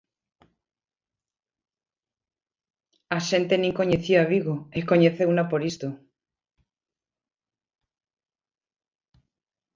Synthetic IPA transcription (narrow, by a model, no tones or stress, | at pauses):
aʃe̞nt̪enĩŋko̞ɲeθjiaβiɣoeko̞ɲeθeunapoɾist̪o